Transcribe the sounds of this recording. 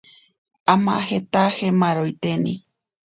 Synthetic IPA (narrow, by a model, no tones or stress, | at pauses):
amã̰het̪ahemãɾojt̪enḭ̃